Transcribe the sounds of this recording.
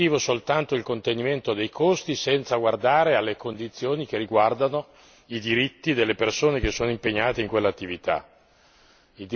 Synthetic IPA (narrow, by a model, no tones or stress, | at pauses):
iːvosolt̪ant̪oilkont̪eniment̪od̪ejkʰost̪isɛnt̪saɡward̪aːɾealːekond̪it̪sːjoːnik̟erːiɡward̪ano | id̪iɾit̪ːid̪elːepersoːnek̟esːoːnoimpeɲːaːt̪eiŋkwelːat̪ːivit̪a̰ | id̪